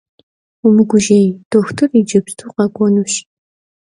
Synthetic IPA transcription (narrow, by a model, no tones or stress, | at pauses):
umɨɡʷʊʒejd̥oxtʰɨrid͡ʒɪbstʰuqɑɡʷʼɔnuʃ